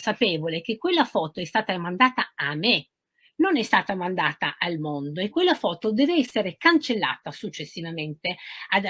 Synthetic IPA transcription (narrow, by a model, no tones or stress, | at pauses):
sapɛːvolek̟ekːwelːafɔːt̪oɛst̪aːt̪amand̪aːt̪aame | nonɛst̪aːt̪amand̪aːt̪aʔalmond̪oekːwelːafɔːt̪od̪ɛːveɛsːeɾekant͡ʃelːa̰ːt̪asut͡ʃːesːivament̪ead̪